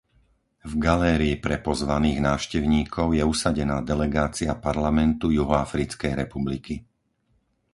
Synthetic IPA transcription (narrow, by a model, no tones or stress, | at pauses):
vɡalɛːɾiːpɾɛpɔzʋaniːɣnaːʃcɛʊɲiːkʰɔʊjɛusaɟɛnaːd̪ɛlɛɡaːt͡siapaɾlamɛnt̪ujuɦɔafɾit͡skɛjɾɛpubliki